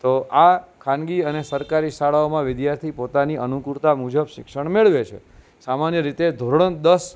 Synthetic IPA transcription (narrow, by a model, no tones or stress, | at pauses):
t̪oʔakʰãnɡiənesəɾkaɾiʃaɭaomãʋɪd̪jaɾt̪ʰipot̪aniʔənukuɾt̪amud͡ʒəbʃɪkʃəɳ̃meɭʋet͡ʃʰḛ | samanjəɾit̪ed̪ʱoɾɳə̃d̪əs